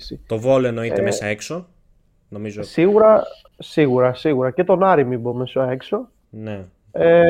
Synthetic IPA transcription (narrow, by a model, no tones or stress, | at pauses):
sit̪o̞vo̞loeno̞it̪emmesɐekso̞ | no̞mizosiɣuɾɐ | siɣuɾɐsiɣuɾɐce̞t̪o̞nɐɾimibo̞me̞sɐe̞kso̞ | ne | e